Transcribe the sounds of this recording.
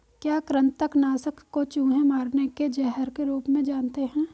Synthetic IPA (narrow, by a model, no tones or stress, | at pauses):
kjaːkɾə̃nt̪ːəknaːsəkʰkːot͡ʃũːɦẽmaːɾneked͡ʒɛɦəɾkeɾuːpmẽd͡ʒaːnt̪eɦɛ̃ː